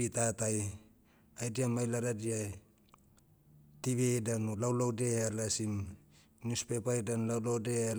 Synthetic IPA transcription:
itataj | ajdiamajlaɾadiaj | tiβedanlawlawdealasim | nuspepajdanlawlawdea

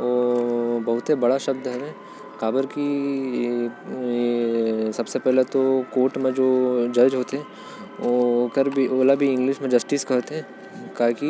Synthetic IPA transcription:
oːbɐɦʊt̪ebɐɽaʃɐb̚d̪ɦɛɛ | kaːbəɾki | sɐbsepɛɦlet̪okoːɾʈmẽd͡ʒoːd͡ʒɐd͡ʒɦoːt̪eɦɛ̃ | okəɾbʱioːlabʱiɪ̃ŋɡlɪʃmẽd͡ʒɐsʈiːskɐɦt̪ɦɛ̃ | kaːki

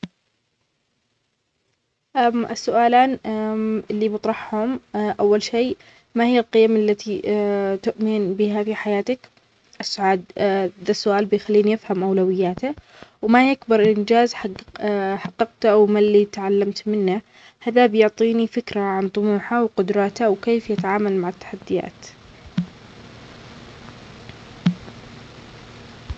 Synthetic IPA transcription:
ʔamʔɪsːʊʔaːlaːn | ɪlːibɨt̪ˤɾˤɑħhʊmʔawːalʃeː | mahɪjːalqɪjamʔalːat̪it̪ʊʔmɪnbɪɦafiħajaːt̪ak | ʔɪsːʊʕaːd̪̚ðasːʊʔaːlbɪjxalːiːnjɪfhamʔawlawɪjːaːt̪a | wmajakbɑɾˤʔɪnd͡ʒaːzħ | ħɑqːɑqt̪awmalːit̪ʕalːamt̪mɪnːa | haðabjʊʕt̪ˤiːnifɪkɾaʕant̪ˤʊmuːħawqʊd̪ɾˤɑːt̪awkeːfjɪt̪aʕaːmalmaʕɪt̪ːḁħad̪ːɪja̰ːt̪

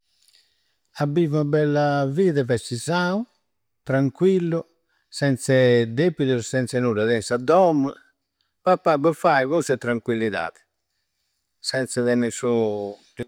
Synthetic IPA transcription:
abːivubɛlːaviːðɛvɛsizaːu | t̪ɾaŋkwilːɔ | sɛnt̪sɛd̪epːiðusɛnt̪sɛnuːɾaðɛnsad̪ɔmː | papːabɔfajβɔsɛt̪ɾaŋkwilːiða̰ːðɛ̥ | sɛnt̪sɛðɛnɛsu

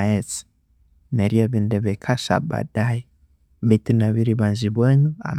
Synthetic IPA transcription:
et͡si̥ | neɾiaβindɛβekʰaʃa̰ba̰daji | βitunaβiɾiβanziβwenua̰m

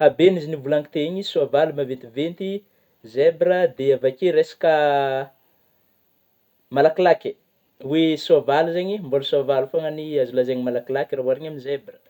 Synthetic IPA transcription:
abenizinivulaŋit̪eeɲisuavalumavet̪ivent̪i | zebɾəd̪eavakeɾesḁkə | malakilakʲe̥ | wesoavaluzeɲimbolsoavalufaŋəniazulazeɲimalakilakiɾaɦuaɾeɲaminizebrə̥

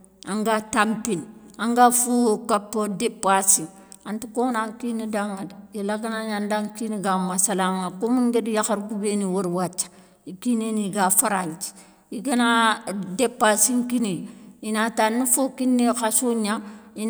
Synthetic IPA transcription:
aŋɡatampinaŋɡafukapːodepːasiŋ | antikonaŋkinidaŋːadjilaɡanaɲandaŋkiniɡamasalaŋakomuŋɡedjaxaɾɡubeniwoɾwat͡ʃːḁ | jikineniɡafaɾaɲt͡ʃi̥ | jiɡanadepːasiŋkiniinatanifokinːixasuɲai

